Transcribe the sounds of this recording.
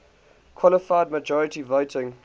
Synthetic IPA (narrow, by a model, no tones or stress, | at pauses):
kʰw̥ɔlɪfaɪd̚məd͡ʒɔɹətʰivoʊtʰɪ̃ŋ